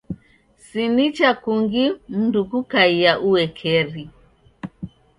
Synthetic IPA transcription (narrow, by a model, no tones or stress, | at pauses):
sinit͡ʃakuŋɡim̩nduɡukaijaʔuwɛkʰɛɾi